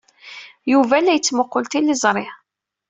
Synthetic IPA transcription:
juvælːæjət͡sːmʊqːʊlt̪ilɪzˤɾˤɪ

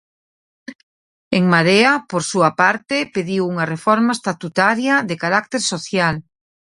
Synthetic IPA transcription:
eŋmaðeapoɾsuapaɾt̪epeðiwuŋɐrefɔɾmaest̪at̪ut̪aɾjaðekaɾak̚t̪eɾsoθjal

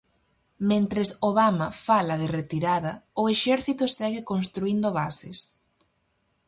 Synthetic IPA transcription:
mẽnt̪ɾesoβamɐfalɐðɪret̪iɾaðɐʊeʃɛɾθit̪ʊsɛɣɪkonst̪ɾuind̪oβasḛs

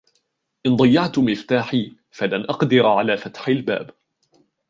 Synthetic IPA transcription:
ʔɪnd̪ˤɑjːɑʕt̪ʊmɪft̪aːħiː | falanʔɑqd̪ɪɾʕalaːfat̪ħalba̰ːb

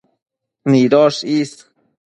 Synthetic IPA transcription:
niːd̪ɔːʃiːs

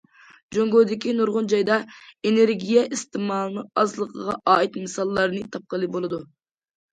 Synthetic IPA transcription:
d͡ʒoŋɡod̪ɪkʲinuɾʁʊnd͡ʒɑjd̪ɑeneɾɡʲijɛʔist̪ɨmɑːlˠnɨɑzlˠəqʰəʁɑʔɑːit̪mɨsɑlˠːɑɾnɨt̪ʰɑp̚qəlˠɨbolˠɨd̪u

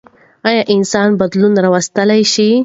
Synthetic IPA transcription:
ɑjɑʔɪnsɑnbad̪lunɾɑwast̪əlajʃi

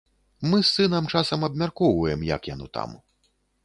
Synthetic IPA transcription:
mɨsːɨnɐmt͡ʂasɐmɐbmʲarkɔwvɐjɛmjɐ̰kjanɔt̪a̰m

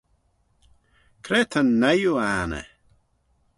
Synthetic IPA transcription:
kʰɾɛːt̪ʰənːajuaːnə̰

